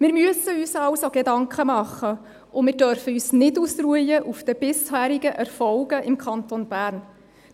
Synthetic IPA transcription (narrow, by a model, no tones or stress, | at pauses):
mɪːɾmyəsəyːsɑwsoɡ̥edɑŋkχəmɑχːə | ʔʊmɪːɾdœɾfəyːsnɪtuːsruəjəʔufd̥̪əb̥ɪshæːɾiɡəʔɛɾfɔlɡ̥əʔɪmkχɑnt̪onb̥æːɾn